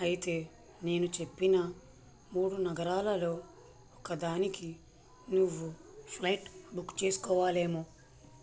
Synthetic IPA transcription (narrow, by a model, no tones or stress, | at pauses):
ɐjit̪e̞ː | ne̞ːnut͡ʃe̞pːinɐ | muːɽunɐɡɐɾaːlɐlo̞ː | ɔkɐd̪aːniki | nuʋːupʰlɐjʈbukːt͡ʃe̞ːsu̥kɔːʋaːle̞ːmu